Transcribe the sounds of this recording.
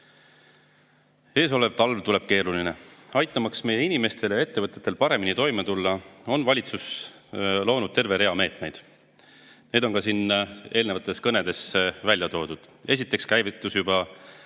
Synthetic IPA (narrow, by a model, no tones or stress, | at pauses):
e̞ːs̬o̞le̞vt̪ɑlvt̪ule̞b̥̚ke̞ːɾuline̞ɑjt̪ːˑɑmɑksme̞je̞inime̞st̪e̞ljɑe̞t̪ːe̞vɤt̪ːˑet̪ːˑe̞lpɑɾe̞minit̪o̞jmet̪ulːɑo̞nvɑlʲit̪sus | lo̞ːnud̪̥̚t̪e̞rve̞ɾe̞ɑme̞ːt̪me̞jd̪̥ | ne̞ːd̪̥o̞nkɑsine̞ːlne̞vɑt̪ːˑe̞skɤne̞d̪̥e̞svælʲjɑt̪o̞ːd̪̥ud̪̥ | e̞s̬ʲit̪ːˑe̞kskæjvit̪ːˑusjubɑ